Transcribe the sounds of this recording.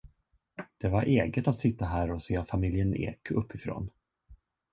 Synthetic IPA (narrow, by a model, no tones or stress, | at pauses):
d̪̥ɛvaɾʔeːɡət̪at̪sɪt̪ːaɦæːɾɔseːfamɪljənḛːkʰɵpʰːɪfɾo̰ːn